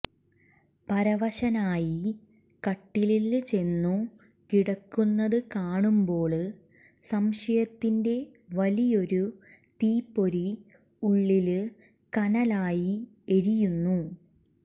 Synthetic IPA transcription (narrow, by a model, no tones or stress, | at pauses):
pɐɾɐʋɐɕɐnaːji | kɐʈːililt͡ɕe̞nːu | kiɽɐkːunːɐðɨkaːɳumbo̞ːɭ | sɐmʂɐjɐt̪ːinde̞ | ʋɐlijo̞ɾu | t̪iːpːo̞ɾi | uɭːil | kɐnɐlaːji | eɾijunːu